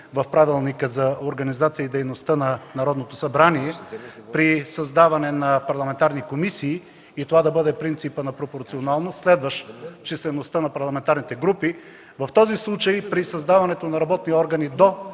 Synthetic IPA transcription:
vɐfpɾavilˠnikəzɐoɾɡɐnizat̪sijəid̪ɛjnost̪ənɐnɐɾɔd̪not̪osɐbɾaniɛpɾisɐzd̪avɐnɛnɐpɐɾlˠɐmɛnt̪aɾnikomisiː | t̪ovad̪ɐbɤd̪ɛpɾint̪sipənɐpɾopoɾt̪sionalˠnost̪slɛd̪vəʃt͡ʃɛslɛnost̪ənɐpɐɾlˠɐmɛnt̪aɾnit̪ɛɡɾupi | vɐft̪ɔzislˠut͡ʃəjpɾisɐzd̪avɐnɛt̪onɐɾɐbɔt̪niɔɾɡɐnid̪o

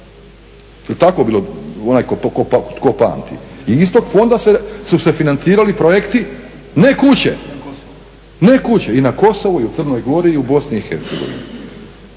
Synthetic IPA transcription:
jelt̪ako̞biloonaːjkoopt̪kopa̰ːnt̪ḭiist̪o̞ɡfo̞nd̪asesuse̞finant̪siːɾalipɾojekt̪i | ne̞kut͡ɕḛ | nekut͡ɕeinako̞so̞ʋuiut̪ər̩no̞jɡo̞ɾiːubo̞sniːxe̞ɾt̪se̞ɡo̞̰ʋḭnḭ

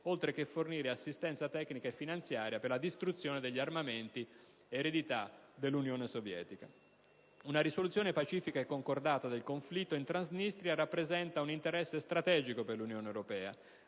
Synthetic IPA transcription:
olt̪ɾek̟efːorniːɾeasːist̪ɛnt̪sat̪ɛkːnikaefːinant̪sjaːɾjapeɾlad̪ist̪ɾut̪sːjɔːned̪eʎːiarmament̪iː | ɾed̪it̪ad̪elːunjɔːnesovjɛ̰ːt̪ika̰ | unaɾisolut̪sjɔːnepat͡ʃiːfikaɛkːoŋkord̪aːt̪ad̪elkoɱflit̪ːoint̪ɾanznist̪ɾjarapːɾezɛnt̪aunint̪eɾɛsːest̪ɾat̪ɛːd͡ʒikoperlunjɔːnewɾopɛːa̰

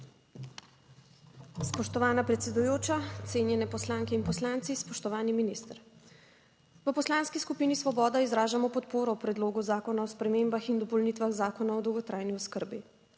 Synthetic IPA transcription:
spɔʃt̪ɔʋaːnapɾɛt̪sɛd̪ujoːt͡ʃat̪seːnjɛnɛpɔslaŋkɛinpɔslant̪sispɔʃt̪ɔʋaːniminist̪əɾ | ʋəpɔslaːnskiskupiːnisʋɔbɔːd̪aizɾaːʒamɔpɔt̪poːɾɔwpɾɛd̪loːɡuzaːkɔnaɔspɾɛmeːmbaxind̪ɔpɔlnit̪ʋaɣzaːkɔnaɔd̪ɔwɡɔt̪ɾaːjniɔskəɾbi

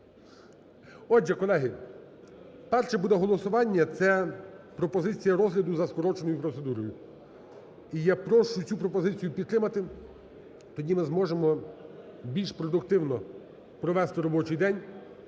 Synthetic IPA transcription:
ɔd͡ʒɛkɔlˠɛɦɪ | pɛrʃɛbud̪ɛɦɔlˠɔsʊʋɑnʲːɐt̪sɛpɾɔpɔzɪt͡sʲijɐɾɔzɦlʲɐd̪ʊzɐskɔɾɔt͡ʃnɔjʊpɾɔt̪se̞d̪uɾɔjʊ | ijɐpɾɔʃʊt͡sʲupɾɔpɔzɪt͡sʲijʊpʲid̪̚t̪ːɾɪmɐt̪ɪ | t̪ɔdʲimɪzmɔʒemɔ | bʲilʲʃpɾɔd̪ʊkt̪ɪwnɔ | pɾɔʋɛst̪ɪɾɔbɔt͡ʃɪjd̪ɛnʲ

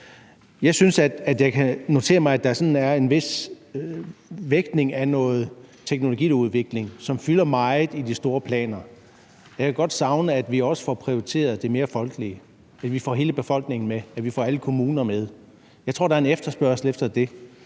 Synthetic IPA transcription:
jɑ̈ɪsynsæ̥æd̥jɑ̈ɪkʰæno̝t͡sʰe̝̰ːɐmɑ̈ɪæd̥ɑsɒ̽nn̩æɐe̝nʋe̝s | ʋeɡ̥ne̝ŋænɔ̽ːð̞̩ˠt͡sʰeɡ̥no̝lo̝ɡḭːuðˠʋe̝ɡ̥le̝ŋsɒ̽mfylɐmɑ̈ɪð̩ˠid̥isd̥o̝ːɐpʰlɛ̰ːnɐ | jɑkʰæɡ̥ɒ̽d̥sɑ̈ʊnəæd̥ʋiɒ̽sə̥fɒpʰʁioit͡sʰe̝̰ːɐð̞̩ˠd̥e̝me̝ːɐfɒ̽lɡ̥əliə | æd̥ʋifɒ̰ːɦe̝ːləb̥e̝fɒ̽l̰ɡ̥ne̝ŋn̩meæ̥ʋifɒ̰ːæləkʰo̝muːnɐmeð̞ˠ | jɑ̈ɪt͡sʰʁo̝̰dɑɐe̝nefd̥ɐsb̥ɶɐsl̩efd̥ɐd̥e̝

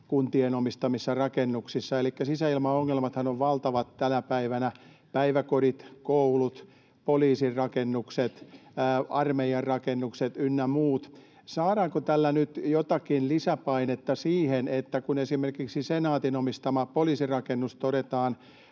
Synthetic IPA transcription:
kunt̪ienomist̪ɑmisːɑrɑkenːuksisːɑelikːæsisæilmɑoŋːelmɑt̪hɑnoʋʋɑlt̪ɑʋɑt̪tænæpæiʋænæ | pæiʋækoɾit̪koulut̪ | poliːsirrɑkenːukset̪ː | ɑrmeijɑrrɑkenːukset̪ynːæmuːt̪ | sɑːɾɑːŋkot̪ælːænyt̪jot̪ɑkinlisæpɑinet̪ːɑsiːhenet̪ːækunesimerkiksisenɑːt̪inomist̪ɑmɑpoliːsirɑkenːust̪oɾet̪ɑːn

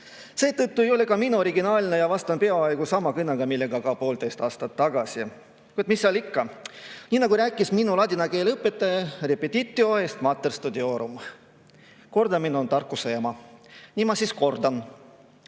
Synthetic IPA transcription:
se̞ːt̪ɤt̪ˑːue̞jo̞le̞kɑminuo̞ɾiɡinɑːlʲnejɑvɑst̪ɑnpe̞ɑɑjɡ̥usɑmɑkɯnːɑɡɑmilːe̞ɡ̥ɑkɑpo̞ːld̪ejst̪ɑːst̪ɑt̪ːɑɡ̥ɑsi | kujd̪misːɑlikːɑniːnɑɡuɾæːkˑːisminulɑd̪ʲinɑke̞ːlɤpːe̞t̪ːˑɑjɑrepːet̪ʲit̪ʲˑːio̞ɦe̞st̪mɑt̪ːerst̪ud̪eo̞ːɾum | ko̞rd̪ɑminont̪ɑrkːˑusejɑmɑniːmɑsisko̞rd̪̥ɑn

